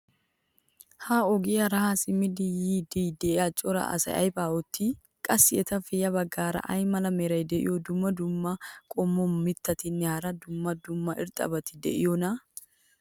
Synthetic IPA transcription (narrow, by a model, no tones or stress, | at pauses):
haːɔɡɪjɐɾɐhasɪmɪd̪ɪjiːd̪ijd̪ɛɪat͡ʃʼɔɾɐ̰ɐ̰sɐ̰jɐ̰jbaːɔt̪ːi | kʼɐsːɪɛt̪ɐfɛjɐbɐɡːaːɾɐ̰ʔɐjmɐlɐmɛɾɐjd̪ɛʔɪ̰jɔd̪ʊmːɐd̪ʊmːɐkʼɔmːɔmɪt̪ːɐt̪ɪnːɛhɐɾɐd̪ʊmːɐd̪ʊmːɐʔɪɾt̪ʼɐ̰bɐt̪ɪd̪ɛ̰ʔɪjɔnɐ